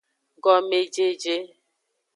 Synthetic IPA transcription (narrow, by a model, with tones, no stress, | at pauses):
ɡɔ˦me˨d͡ʒe˦d͡ʒe˦